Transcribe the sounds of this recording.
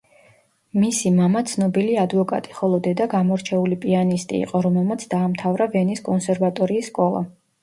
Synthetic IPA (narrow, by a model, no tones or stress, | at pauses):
misimamat̪sʰnɔbiliad̪vɔkʼa̰t̪ʼi̥χɔlˠɔd̪ɛd̪aɡamɔɾt͡ʃʰɛulipʼianist̪ʼḭːqʼɔɾɔmɛlˠmat̪sʰd̪aːmt̪ʰavɾavɛniskʼɔnsɛɾvat̪ʼɔɾiːsːkʼɔlˠa̰